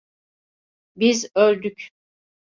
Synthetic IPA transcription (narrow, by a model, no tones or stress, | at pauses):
bizøɾd̪yc